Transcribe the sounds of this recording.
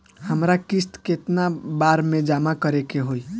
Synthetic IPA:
həmɾakist̪ket̪nabaɾmed͡ʒamakəɾekeɦoi

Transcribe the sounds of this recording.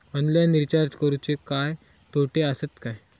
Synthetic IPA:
ɔnljaniɾt͡ɕaɾd͡ʑkəɾut͡ɕekaj | t̪oʈeəsət̪kaj

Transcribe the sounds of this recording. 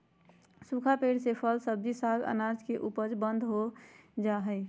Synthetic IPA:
sukʰapeɽsepʰəlsəb̚d̪isaɡə̰nad͡ʒkeʔupəd͡ʒbə̃nd̪ʱɦod͡ʒaɦəɪ

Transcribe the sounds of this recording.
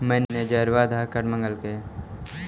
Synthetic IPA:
mɛnːed͡ʒəɾʋaːd̪ʱakəʈmə̃ŋɡəlke

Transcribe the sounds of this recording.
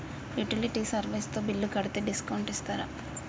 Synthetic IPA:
luʈiliʈisɐɾʋejst̪oːbilːukɐɽit̪eːɖiskɐwɳʈist̪aːɾa

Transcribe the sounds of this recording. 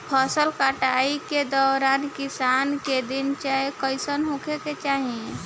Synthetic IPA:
pʰasəlkaʈaiked̪ɔːɾaːnkɪsaːnked̪ɪnt͡ʃaekəɪsənɦokeket͡ʃaːɦiẽ

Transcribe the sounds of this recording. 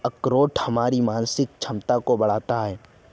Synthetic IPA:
ɐkɾoːʈhɐmaːɾimaːnsɪk̚t͡ʃʰɐmt̪akobɐɽ̤aːt̪aɦɛː

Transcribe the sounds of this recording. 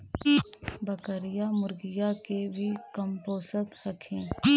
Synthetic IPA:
bəkəɾɪjamʊɾɡɪjakebʱikəmpoːsət̪hɐkʰẽː

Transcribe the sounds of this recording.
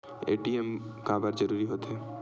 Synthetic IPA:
ḛʈiemkãbəɾd͡ʒəɾuɾiɦot̪ʰe

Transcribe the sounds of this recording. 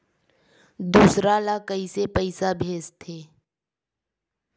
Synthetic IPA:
d̪uːsɾalakəisepəɪsabʱeːst̪ʰeː

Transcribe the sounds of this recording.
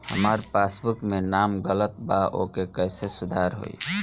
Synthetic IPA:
hə̰məɾpasbukmenamɡələt̪baʔo̰kekəɪsesud̪ʱaɾɦo̰ḭ

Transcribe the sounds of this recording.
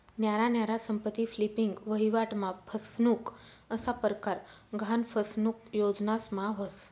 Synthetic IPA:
njaɾanjaɾasəmpət̪iflipiŋɡʋəɦiʋaʈmãpʰəsfnuk | əsapəɾkaɾɡʱanfʰəsnukjod͡znasmãʋəs

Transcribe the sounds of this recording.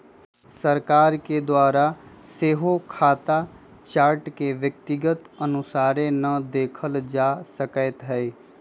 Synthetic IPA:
səɾkaːɾked̪waːɾa | seːɦokʰaːt̪a | t͡ʃaːɾʈkeʋjək̚t̪ɪɡət̪ənʊsaːɾẽnəd̪eːkʰəld͡ʒaːsəkət̪ɦɛi

